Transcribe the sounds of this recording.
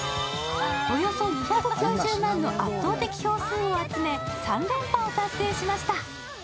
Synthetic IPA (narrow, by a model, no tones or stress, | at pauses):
o̞jo̞so̞ɲihakokɯʑɨːnãnnːo̞ʔat̪ːo̞ːt̪e̞kʲi̥ço̞ːsɨːoat͡sɨme̞sãŋɡ̪ẽmpãɰ̃ot̪asːe̞ːɕimaɕi̥t̪a